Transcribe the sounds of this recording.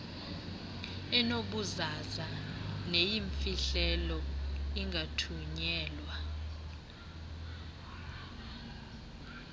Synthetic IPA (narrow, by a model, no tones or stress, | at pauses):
ɛnoɓuzazanejiɱfiɬɛlɔiŋɡʱatʰuɲɛːlwa